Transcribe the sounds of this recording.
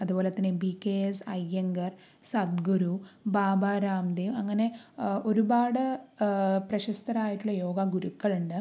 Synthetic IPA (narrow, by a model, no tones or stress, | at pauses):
ɐðubo̞ːleɐt̪ːinebikːeesɐjːɐŋɡɐr | sɐd̪̚ɡuɾubaːbaːɾaːmd̪emɐŋːɐne̞o̞ɾubaːɽɨ | prɐɕɐst̪ɐɾaːjiʈːuɭːɐjo̞ːɡɐɡuɾukːɐɭuɳɖɨ